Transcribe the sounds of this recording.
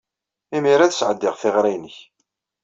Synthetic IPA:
imiɾæðəsʕəd̪ːɪʁθɪʁɾæjnəç

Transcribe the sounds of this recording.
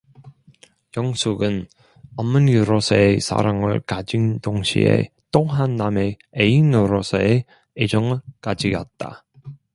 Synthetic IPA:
jʌŋsʰuɡɯn | ʌmːɯnjuɾosʰʌesʰa̰ɾaŋɯ̰ɭkad͡ʑindoŋɕʰḭe̞̰ | t͈oɦanːame̞ | einɯɾosʰʌe | ed͡ʑʌŋɯɭkad͡ʑiɡʌ̰t̚t͈a̰

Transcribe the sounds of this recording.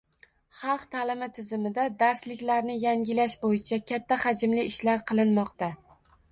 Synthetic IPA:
χɑlˠqt̪ʰalɪmɪt̪ʰɪzɪmɪd̪ad̪aɾslɪkʲlaɾnɪjaŋʲɪlaʃbojɪt͡ʃʰakʲʰat̪ʰːahad͡ʒɪmlɪɪʃlaɾqʰɨlˠɪnmɒqt̪a

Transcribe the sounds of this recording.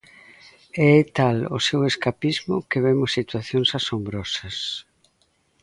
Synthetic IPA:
ɛɛt̪alʊ̰seweskapizmʊkeβemʊsit̪waθjoŋsasombɾɔsɐs

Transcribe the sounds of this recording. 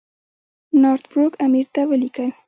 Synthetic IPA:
noɾt̪bɾʊkamiɾt̪awɪlikaj

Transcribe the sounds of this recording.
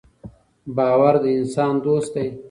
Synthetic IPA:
bɑːwaɾd̪əɪnsɑːnd̪oːst̪̚d̪aj

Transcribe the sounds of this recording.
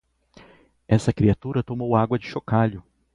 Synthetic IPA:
ɛsɐkɾiat̪uɾɐt̪omowaɡwɐd͡ʒɪʃokaʎʊ

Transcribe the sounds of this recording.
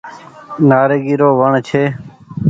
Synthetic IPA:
naːɾeːɡiːɾoːʋəɳt͡ʃʰeː

